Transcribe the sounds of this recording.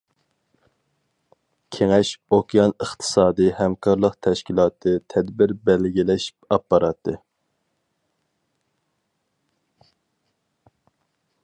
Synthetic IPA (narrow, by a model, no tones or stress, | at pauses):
kʲʰeŋɛʃokʲijɑnəχt̪ʰɨ̥sɑːd̪ɨhɛmkʰɑɾlˠəqt̪ʰɛʃkʲilˠɑːt̪ʰɨt̪ʰɛd̪bɪɾbɛlɡʲilɛʃi̥pɑpːɑɾɑt̪ʰɨ